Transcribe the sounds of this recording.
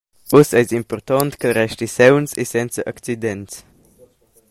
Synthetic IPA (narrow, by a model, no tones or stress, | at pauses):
usɛzimpɔɾt̪ɔnt̪kərɛʃt̪isɛwnsesɛnt͡səʔɐkt͡sid̪ɛnts